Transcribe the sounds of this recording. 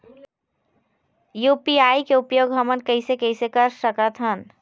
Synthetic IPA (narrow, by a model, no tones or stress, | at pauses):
jupiaːikeupjoːɡɦəmənkəɪsekəɪsekəɾsəkət̪ʰɦən